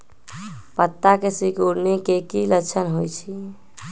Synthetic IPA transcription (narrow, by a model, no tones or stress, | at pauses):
pət̪ːakesikuɾnekekilət͡ʃʰənɦojt͡ʃʰi